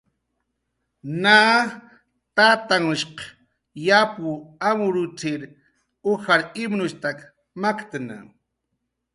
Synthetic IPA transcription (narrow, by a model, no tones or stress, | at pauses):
naː | t̪at̪aŋʃq | japuamʊɾʊt͡sɪɾ | uxaɾɪmnʊʃt̪ak | makt̪na̰